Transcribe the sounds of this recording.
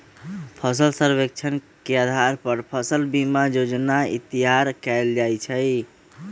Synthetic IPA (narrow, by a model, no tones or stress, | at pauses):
pʰəs̬əlsəɾbek̚t͡ʃʰən | kead̪ʱaɾpəɾpʰəsəlbimad͡ʒod͡ʒnaḭt̪iɦaɾkɛld͡ʒajt͡ʃʰə